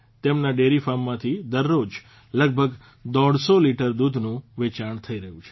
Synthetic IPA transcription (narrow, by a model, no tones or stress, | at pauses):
t̪emnaɖeɾifamːãt̪ʰid̪əɾːod͡ʒ | ləɡ̚bʱəɡ | d̪ɔɽsoliʈəɾd̪ud̪ʱnũʋet͡ʃaɳt̪ʰəiɾəɦũt͡ʃʰe̥